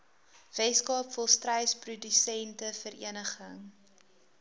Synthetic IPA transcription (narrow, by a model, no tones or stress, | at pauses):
v̥ɛskɑːpfɔlˠstrɛjsprudysɛntəfəɾḭənəχəŋ